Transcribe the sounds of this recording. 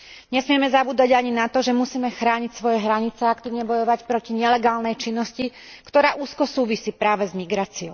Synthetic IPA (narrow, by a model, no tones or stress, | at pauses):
ɲɛsmɪɛmɛzabuːd̪aɟaɲinat̪ɔʒɛmusiːmɛxɾaːɲicsʋɔjɛɦɾaɲit͡sɛakt̪iːʊɲɛbɔjɔʋacpɾɔciɲɛlɛɡaːlnɛjt͡ʃinːɔsci | kt̪ɔɾaːʔuːskɔsuːʋisiːpɾaːʋɛzmiɡɾaːt͡siɔʊ